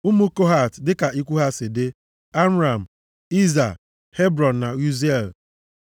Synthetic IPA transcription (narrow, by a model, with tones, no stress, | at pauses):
u˦mu˦ko˦ɦa˨tdɪ˦ka˨i˦kʷu˦ɦa˦sɪ˨dɪ˦ | a˦m̩˦ɾa˨m̩˨ | i˦za˨ | he˦bɾɔ˨n̩˨na˨u˦ze˦˨l